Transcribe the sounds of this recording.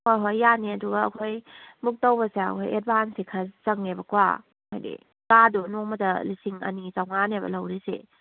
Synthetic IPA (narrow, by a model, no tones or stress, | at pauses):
hojɦojːaniɐduɡɐːkʰojmuk̚towbɐseɐ̰kʰojed̚bansikʰazɐŋnebɐkwa̰ | hojdḭ | kadunoŋmɐtɐlisiŋɐ̰nizawŋanebɐ̰lɐwɾisḛ